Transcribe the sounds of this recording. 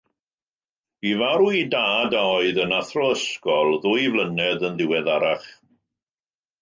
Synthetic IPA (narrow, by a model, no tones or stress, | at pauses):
b̥ivaɾuidaːdaɔɨðənaθrɔəskɔlˠðʊjvlənɛðənðɪwɛðaɾaχ